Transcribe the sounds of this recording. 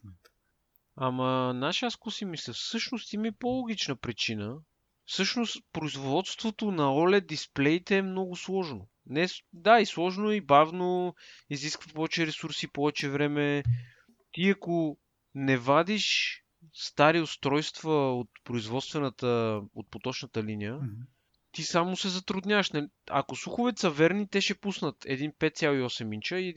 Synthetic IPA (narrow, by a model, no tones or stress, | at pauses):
amɐnaʃaskusimisɛfsɤʃnost̪iməipolˠoɡ̟it͡ʃnəpɾit͡ʃinə | fsɤʃnost̪pɾoizvvɔt̪st̪vot̪onɐɔlɛd̪isplɛit̪ɛːmnɔɡʊslˠɔʒno | nɛd̪aislˠɔʒnoibavnoiziskvəpɔvɛt͡ʃɛɾɛsuɾsipɔvɛt͡ʃɛvɾɛmɛ | t̪iɐko | nɛvad̪iʃ | st̪aɾiost̪ɾɔjst̪vəot̪pɾoizvɔt̪st̪vɛnət̪əot̪̚pot̪ɔt͡ʃnət̪əlinijə | t̪isamosɛzɐt̪ɾʊd̪nʲavəʃnɐliɐ̰kosuxʊvɛt̪sɐvɛɾnit̪ɛʃɛpusnət̪ɛ̰d̪inpɛt̪t̪sʲjalˠoiɔsɛmint͡ʃəi